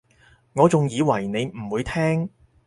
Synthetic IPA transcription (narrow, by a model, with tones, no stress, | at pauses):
ŋɔː˨˧t͡sʊ˨ŋjiː˨˧wɐ˨˩jne˨˧jm̩˨˩wuː˨˧jt̪ʰɛː˥ŋ